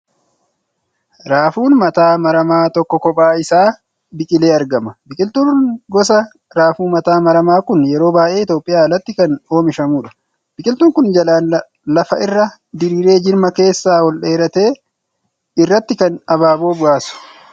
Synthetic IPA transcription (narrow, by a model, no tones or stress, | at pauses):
ɾaːfuːnmɐt̪aːmɐɾɐmaːt̪ɔkːɔkːɔpʼaːɪsaː | bɪkʼɪle̞ːɐɾɡɐmɐbɪkʼɪlt̪uːɡɔsɐ | ɾaːfuːmɐt̪aːmɐɾɐmaːkʊnjɛɾo̞ːbaːʔe̞ːɪt̪jo̞ːpʼːɪjaːɐlɐt̪ːɪkɐno̞ːmɪʃɐmuːᶑɐ̥ | b̥ɪkʼɪlt̪uːŋkʊnd͡ʒɐlaːn | lɐfɐʔɪrːɐ | d̪ɪɾiːɾe̞ːd͡ʒɪɾmɐke̞ːsːaːwɔlᶑeːɾɐt̪e̞ː | ɪrːɐt̪ːɪkɐnɐbaːbo̞ːbʊaːsʊ̥